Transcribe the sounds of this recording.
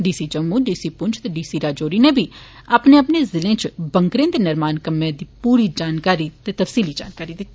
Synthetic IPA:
ɖiːsiːd͡ʒəmːuːɖiːsiːpʊɲt͡ʃt̪eːɖiːsiːɾaːd͡ʒoːɾiːneːbʱiː | aːpneːəpneːzɪlẽːt͡ʃbə̃ŋkɾẽːd̪eːnɪɾmaːnkəmːẽːd̪iːpuːɾiːd͡ʒaːnkaːɾiːt̪eːt̪əfsiːliːd͡ʒaːnkaːɾiːd̪ɪk̪ʰːi

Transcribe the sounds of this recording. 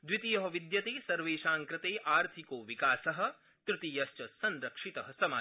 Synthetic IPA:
d̪ʋit̪ijɐɦɐʋid̪jɐt̪eːsɐɾʋeːʃaːŋkɾɪt̪eːʔaːɾt̪ʰikoːʋikaːsɐɦɐ̆ | t̪ɾɪt̪iːjɐst͡ʃɐsɐnɾɐkʂit̪ɐɦɐsɐmaː

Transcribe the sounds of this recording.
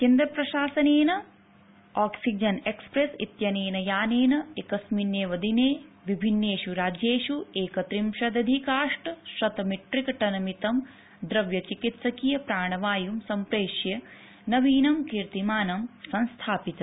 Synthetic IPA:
kend̪ɾɐpɾɐʃaːsɐneːnɐ | aːksid͡ʒɐnekspɾesḭt̪jɐneːnɐjaːneːnɐekɐsmineːʋɐd̪ineː | ʋibʱinːeːʃuɾaːd͡ʒjeːʃueːkɐt̪ɾimʃɐd̪ɐd̪ʱikaːʂʈʃɾɐt̪ɐmiʈɾikɐʈɐnɐmit̪ɐm | d̪ɾɐʋjɐt͡ʃikit̪sɐkijɐpɾaːɳɐʋaːjumsɐmpɾeːʃjɐ | nɐʋiːnɐmkiɾt̪imaːnɐmsɐnst̪ʰaːpit̪ɐ

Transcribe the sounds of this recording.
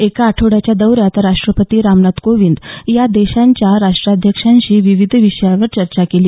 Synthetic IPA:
ekaːʈʰoɽat͡ɕjad̪əwɾjat̪ɾaʂʈɾəpət̪iːɾamnat̪koʋind̪jad̪eɕãɲt͡ɕjaɾaʂʈɾad̪ʱjəkʂãɲɕiːʋiʋid̪ʱʋiʂəjaʋəɾt͡ɕəɾt͡ɕakeliː

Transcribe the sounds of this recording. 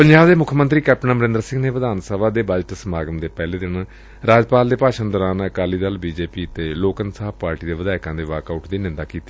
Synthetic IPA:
pəɲd͡ʒaːbd̪eːmʊkʰmə̃nt̪ɾiːkɛːp̚ʈənəməɾɪ̃nd̪ɾəsɪ̃ŋɡneːʋəd̪aːnsəʋaːd̪eːbaːd͡ʒəʈsəmaːɡəmd̪eːpɛːleːd̪ɪn | ɾaːd͡ʒpaːld̪eːpaːʃənd̪əɾaːnəkaːliːd̪əlbiːd͡ʒeːpiːt̪eːloːkənsaːpaːɾʈiːd̪eːʋəd̪aːɪkãːd̪eːʋaːkaʊʈd̪iːnɪ̃nd̪aːkiːt̪iː

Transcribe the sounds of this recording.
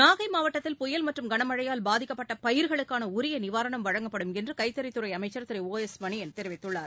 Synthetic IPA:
naːɣɐɪmaːʋɐʈːɐt̪ːɪlpʊjɐlmɐʈrɯmɡɐɳɐmɐɻɐjaːlbaːðɪkːɐpːɐʈːɐpɐjɪɾɣɐɭɯkːaːnɐʊɾɪjɐnɪʋaːɾɐɳɐmʋɐɻɐŋɡɐpːɐɽɯmɛndrɯkɐɪt̪ːɐɾɪt̪ːɯɾɐɪɐmɐɪt͡ʃːɐɾt̪ɪɾɪoːɛsmɐɳiɛnt̪ɛɾɪʋɪt̪ːɯɭːaːɾ

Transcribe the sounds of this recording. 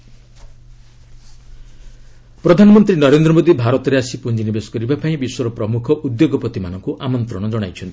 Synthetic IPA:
pɾɔd̪ʱanɔmɔnt̪ɾinɔɾend̪ɾɔmod̪ibʱaɾɔt̪ɔɾeasipund͡ʒinibesɔ̥kɔɾibapaĩbiswɔɾɔpɾɔmukʰɔʔud̪joɡɔpɔt̪imanɔŋkuʔamɔnt̪ɾɔɽ̃ɔd͡ʒɔɽ̃a̰jt͡ʃʰɔnt̪ʰi̥

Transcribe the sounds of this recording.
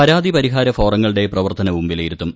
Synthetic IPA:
ɐɾaːd̪ipɐɾiɦaːɾɐfo̞ːrɐŋːɐɭiɽe̞prɐʋɐrt̪ɐnɐʋumbilejiɾut̪ːum

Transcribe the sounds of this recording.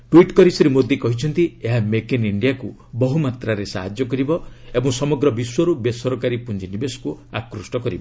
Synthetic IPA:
ʈwiʈkɔɾisɔɾimod̪ikɔɦit͡ʃʰɔnt̪ieɦamekiniɳɖiakubɔɦumat̪ɾaɾesaɦad͡ʒjɔkɔɾibɔebɔ̃ŋsɔmɔɡɾɔbiswɔɾubesɔɾɔkaɾipund͡ʒinibesɔ̥kuakɾusʈɔkɔɾibɔ

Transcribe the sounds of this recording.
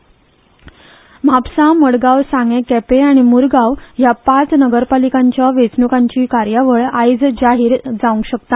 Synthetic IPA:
m̤ʱapsaməɽɡaʋsãŋɡẽkɛpeaɽ̃imuɾɡaʋjapat͡snəɡəɾpalikãɲt͡ɕjaʋet͡snukãɲt͡ɕiːkaɾjaʋəɭajd͡zd͡ʑaɦiːɾd͡zaũŋɡɕəkt̪a

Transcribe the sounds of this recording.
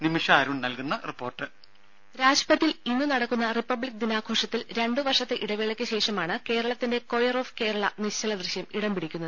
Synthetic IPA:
nimiʂaːɾuɳnɐlkunːɐripːo̞ːrʈːɨ | ɾaːd͡ʑpɐt̪ːilinːunɐɽɐkːunːɐripːɐbɭik̚d̪inaːɡʱo̞ːʂɐt̪ːilɾe̞ɳɖɨʋɐrʂɐt̪ːe̞ʔiɽɐʋiɭekʲːɨɕe̞ːʂɐmaːɳɨke̞ːɾɐɭɐt̪ːinde̞ko̞jɐro̞ːfke̞ːɾɐɭɐniɕt͡ɕːɐɭɐd̪riɕjɐmiɽɐmbiɽikʲːunːɐðɨ

